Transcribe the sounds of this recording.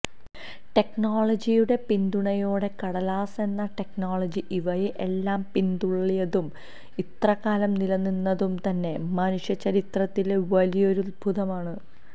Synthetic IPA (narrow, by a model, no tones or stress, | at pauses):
ʈe̞kɳoːɭɐd͡ʑijuɽe̞pind̪uɳɐjoːɽe̞kɐɽɐlaːse̞nːɐʈe̞knoːɭɐd͡ʑiʔiʋɐjeʔe̞lːaːmpind̪uɭːijɐðum | it̪rɐɣaːlɐmnilɐnːinːɐðumt̪ɐnːe̞mɐnuʂjɐt͡ɕːɐɾit̪rɐt̪ːilʋɐlijo̞ɾulbʱuðɐmaːɳɨ